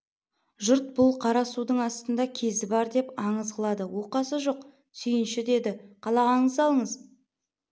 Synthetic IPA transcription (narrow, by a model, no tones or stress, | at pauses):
ʒʊɾt̪̚bʊlˠqʰɑɾɑsud̪əɴɑst̪ənd̪ɑkʲʰe̞zɪbɑɾd̪e̞pɑɴəzʁəlˠɑd̪əwo̞qɑsəʒoq | sʏjɪnʃɪd̪e̞d̪ɪqʰɑlˠɑʁɑəɴəzɑlˠəɴəz